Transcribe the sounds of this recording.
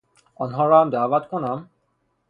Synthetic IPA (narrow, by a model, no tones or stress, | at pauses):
ɔnɦɔɹamdabatkʰɔnam